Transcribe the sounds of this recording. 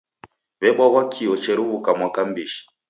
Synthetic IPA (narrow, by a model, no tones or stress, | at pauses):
βɛɓɔɣwakʰiɔt͡ʃɛɾuβukamwakambiʃi̥